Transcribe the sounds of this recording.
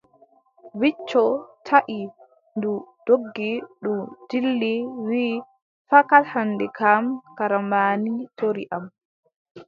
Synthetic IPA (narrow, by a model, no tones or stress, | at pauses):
wit͡ʃːɔtʰaʔi | ndud̥oɡːiɗumd̥ilːiwiː | fakathanːdɛkamkaɾamaːnitoɾḭʔam